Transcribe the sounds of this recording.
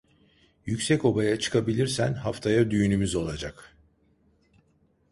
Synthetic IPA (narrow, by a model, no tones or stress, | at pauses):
jycʲsɛco̞bajat͡ʃʰɯ̥kʰabilʲiɾsænɦaft̪ʰajad̪yjynymyzo̞lˠad͡ʒak